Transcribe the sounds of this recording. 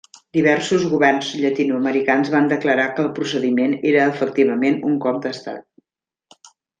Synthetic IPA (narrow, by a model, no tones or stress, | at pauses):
d̪iβ̞ɛrsuzɣuβɛrnzʎət̪inuəməɾikanzβand̪əkləɾakəːlˠpɾusəðimeneɾəːfək̚t̪iβəmenuŋkɔp̚d̪əst̪a̰t̪̚